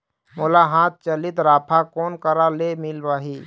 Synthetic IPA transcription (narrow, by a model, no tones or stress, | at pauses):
moːlaɦãːt̪̚t͡ʃəlɪt̪ɾaːpʰakɔːnkəɾalemɪlʋaːɦiː